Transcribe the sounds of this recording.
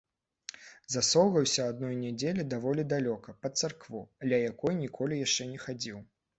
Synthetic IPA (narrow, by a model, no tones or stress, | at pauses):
zasɔwɣɐwsʲɐad̪nɔjnʲɛd͡zʲelʲid̪avɔlʲid̪alʲɔkɐpɐt̪sarkvud̪lʲɐjakɔjnʲikʰɔlʲijaʂt͡ʂɛnʲɛxad͡zʲiw